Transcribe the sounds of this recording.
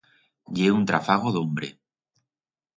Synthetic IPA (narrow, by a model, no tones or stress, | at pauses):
ʎeunt̪ɾafaɣoðombɾḛ